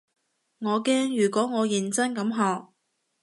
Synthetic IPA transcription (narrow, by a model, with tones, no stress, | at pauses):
ŋɔː˨˧kɛː˥ŋjyː˨˩kʷɔː˨˥ŋɔː˨˧jɪ˨˩nt͡sɐ˥nkɐ˨˥mɦɔː˨k̚